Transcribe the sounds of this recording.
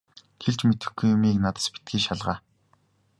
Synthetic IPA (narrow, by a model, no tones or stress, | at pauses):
xeɮt͡ɕmet̪ɘ̆xɡujʊmiːknat̪ə̥̆spi̥t̪̚ɡiːʃaɮʁaː